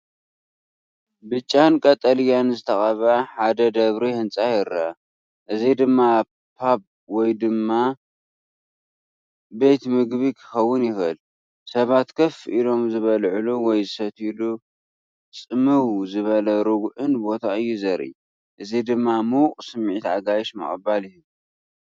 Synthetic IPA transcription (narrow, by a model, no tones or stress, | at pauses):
bɨt͡ʃʼːankʼɐt̪ʼɐljanzɨt̪ʰɐxʼɐβaħad̪ɐd̪ɐβɾihɨnt͡sʼajɪɾa | ʔɨzid̪ɨmːa | pʰab̚ | wɔjd̪ɨmːa | be̞t̪mɨɡβikʰɨ̥xɐwːʊnjɪxɨl | sɐβat̪kʰɐfʔilo̞mzɨβɐlʕɨluwɔjzɨsɐt̪ʰilu | t͡sʼɨmɨwzɨβɐlɐɾɨɡʕɨnbo̞t̪ʰaɨjːuzɐɾḭ | ʔɨzid̪ɨmːamuwqʼsɨmːʕit̪ʕaɡajʃmɨ̰χʼɐ̰balɪhɨ